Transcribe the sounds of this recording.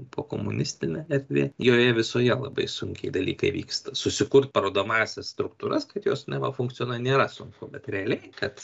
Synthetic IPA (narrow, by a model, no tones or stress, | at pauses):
poːkoːmʊnʲɪsʲt̪ʲɪnʲɛɛrʲd̪ʲʋʲḛːjoːjɛʋʲɪsoːjɛlˠɐ̰bɐ̰ɪsʊŋʲkʲɛɪd̪ɐlʲḭːkɐ̰ɪʋʲḭːkst̪ɐsʊsʲɪkʊɾt̪̚pɐɾoːd̪oːmɑːsʲɛsst̪ɾʊk̚t̪uːɾɐskɐt̪joːsnʲɛʋɐfʊŋkt͡s̪ʲɪjoːnɐnʲeːɾɐsʊŋkʊbʲɛt̪ɾʲɛɐlʲɛɪkɐt̪